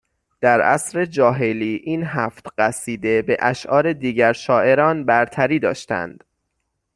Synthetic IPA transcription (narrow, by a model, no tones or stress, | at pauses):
d̪̥æɾʔæ̰sɾe̞d͡ʒɒːɦe̞liːʔiːnɦæːft̪ɢæsiːd̪e̞be̞ʔæʃʔɒːɾe̞d̪iːɟæɾʃɒːʔe̞ɾɒːnbæɾt̪ʰæɾiːd̪ɒːʃt̪æ̰nd̪̥